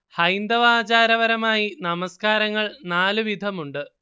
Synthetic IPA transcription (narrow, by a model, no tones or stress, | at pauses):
hɐjnd̪ɐʋaːt͡ɕaːɾɐʋɐɾɐmaːjinɐmɐskaːɾɐŋːɐɭnaːlɨʋid̪ʱɐmuɳɖɨ